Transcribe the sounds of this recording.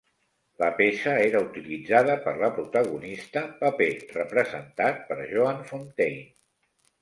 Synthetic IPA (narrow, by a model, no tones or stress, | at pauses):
ləpesəeɾəut̪ilid͡zaðəpəɾləpɾut̪əɣunist̪əpəperəpɾəzə̰nt̪at̪̚pəɾʒoanfont̪ej